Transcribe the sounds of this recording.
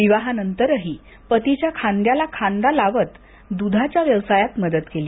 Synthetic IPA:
ʋiʋaɦanənt̪əɾəɦiː | pət̪it͡ɕjakʰand̪jalakʰãnd̪alaʋət̪ | d̪ud̪ʱat͡ɕjaʋjəʋsajat̪məd̪ət̪keli

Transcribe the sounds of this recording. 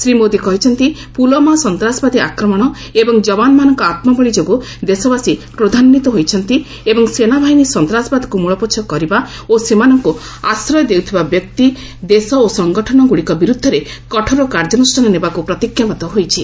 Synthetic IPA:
sɾimod̪ikɔɦit͡ʃʰɔnt̪ipulɔmasɔnt̪ɾasɔbad̪iakɾɔmɔɽ̃ɔ | ebɔŋd͡ʒɔbanɔmanɔŋkɔat̪mɔbɔɭid͡ʒoɡu | d̪esɔbasipɾod̪ʱanɔnit̪ɔɦojt͡ʃʰɔnt̪i | ebɔŋsenabʱainisɔnt̪ɾasbad̪ʱikumuɭɔpot͡ʃʰɔkɔɾiba | osemanɔŋku | asɾɔjɔd̪ewt̪ʰibabjɔk̚t̪i | d̪esɔosɔŋɡɔʈʰɔɽ̃ɔɡuɽikɔbiɾud̪ʱːɔɾekɔʈʰɔɾɔkaɾd͡ʒɔnusʈʰanɔnebakupɾɔt̪ikjamɔt̪ɔɦojt͡ʃʰi

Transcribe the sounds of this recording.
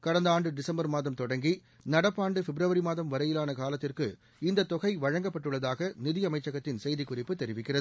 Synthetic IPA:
kɐɽɐnd̪ɐaːɳɖɯɖɪsɐmbɐɾmaːðɐmt̪ɔɽɐŋɡi | nɐɽɐpːaːɳɖɯfɛbɾɐʋɐɾimaːðɐmʋɐɾɐjɪlaːnɐkaːlɐt̪ːɪrkɯ | ɪnd̪ɐt̪ːɔɣɐɪʋɐɻɐŋɡɐpːɐʈːɯɭːɐðaːɣɐnɪðɪjɐmɐɪt͡ʃːɐɣɐt̪ːɪnsɛjðikʊrɪpːɯt̪ːɛɾɪʋɪkːɪrɐðɯ

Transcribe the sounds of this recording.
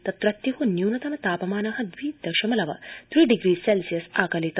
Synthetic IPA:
t̪ɐt̪ɾɐt̪jɐɦunjuːnɐt̪ɐnɐt̪aːpɐmaːnɐɦɐd̪ʋiːd̪ɐʃɐmɐlɐʋɐ̰t̪ɾiːɖiɡɾiːselsijɐsaːkɐlit̪

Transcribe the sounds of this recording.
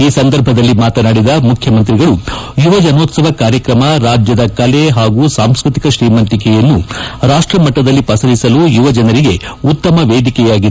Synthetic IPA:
iːsɐnd̪ɐɾbʱɐd̪ɐlːimaːt̪ɐnaːɽid̪ɐmukʰjɐmɐnt̪̬ɾiɡɐɭujuʋɐd͡ʒɐnoːt̪sɐʋɐkaːɾjɐkɾɐmɐɾaːd͡ʒjɐd̪ɐkɐleɦaːɡuːsaːmskɾit̪i̥kɐʃɾiːmɐnt̪ikɛjɐnːuɾaːʂʈɾɐmɐʈːɐd̪ɐlːipɐsɐlisɐlujuʋɐd͡ʒɐnɐɾiɡe̞ | ut̪ːɐmɐʋeːd̪ikɛjaːɡid̪

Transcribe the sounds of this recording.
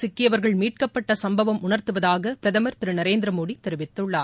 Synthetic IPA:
sɪkːɪjɐʋɐɾɣɐɭmiːʈ̚kɐpːɐʈːɐsɐmbɐʋɐmʊɳɐɾt̪ɯʋɐðaːɣɐpɪɾɐðɐmɐɾt̪ɪɾɯnɐɾeːnd̪ɪɾɐmoːɽit̪ːɛɾɯʋɪt̪ːɯɭːaːɾ

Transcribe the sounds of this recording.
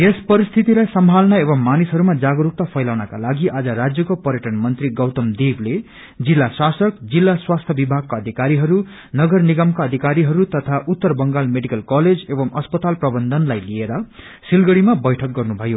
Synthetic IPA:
espʌɾist̪ʰit̪ilajsʌmbʱalnʌebʌmːanisɦʌɾumad͡zaɡʌɾuk̚t̪apʰʌjlawnʌkalaɡiʔad͡zʌɾad͡zjʌkopʌɾjʌʈʌnmʌnt̪riɡʌwt̪ʌmd̪eble | d͡zilːasasʌkd͡zilːaswast̪ʰjʌbibʱaɡ̚kaʌd̪ʱikaɾiɦʌɾu | nʌɡʌrniɡʌmkaʌd̪ʱikaɾiɦʌɾut̪ʌt̪ʰaʔut̪ːʌrbʌŋɡalmeɖikʌlkʌled͡zebʌmʌspʌt̪alprʌbʌnd̪ʱʌnlajlieɾʌ | silɡʌɽimabʌjʈʰʌk̚ɡʌrnubʱʌjo

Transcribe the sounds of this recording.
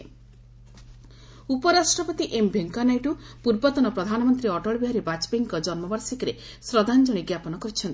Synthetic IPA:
upɔɾasʈɾɔpɔt̪iʔembʱeŋkanajʈupuɾbɔt̪ɔnɔpɾɔd̪ʱanɔmɔnt̪ɾiɔʈɔɭbiɦaɾibat͡ʃbeŋkɔd͡ʒɔnmɔbaɾsikɾe | sɾɔd̪ʱand͡ʒɔɽ̃iɡjapɔnɔkɔɾit͡ʃʰɔnt̪i

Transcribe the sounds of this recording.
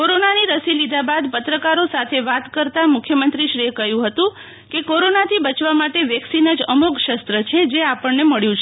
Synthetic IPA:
koɾonaniɾəsilid̪ʱabad̪pət̪ɾəkaɾosat̪ʰeʋat̪kəɾt̪amʊkʰjəmənt̪ɾiʃɾiekəɦjũɦət̪ũ | kekoɾonat̪ʰibət͡ʃʋamaʈeʋjɛksinəd͡ʒəmukʃəst̪ɾət͡ʃʰed͡ʒeapəɳneməɭjũt͡ʃʰe

